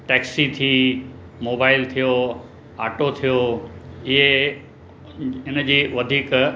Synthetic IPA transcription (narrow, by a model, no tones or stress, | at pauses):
ʈɛːksit̪ʰiː | moːbaːɪlt̪ʰijo | aːʈot̪ʰijoːɪɦe | ɪnəd͡ʑiːʋɐd̪ʱiːk